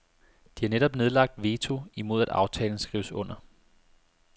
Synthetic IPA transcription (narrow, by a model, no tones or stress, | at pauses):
d̥ihɑ̈neɾ̥ɒ̽b̥ne̝ð̞ˠlɑ̈ɡ̥̚d̥ʋe̝t͡sʰo̝imo̝ð̞ˠæd̥ɑ̈ʊt͡sʰɛːln̩sɡ̥ʁḭʊsɔ̽n̰ɐ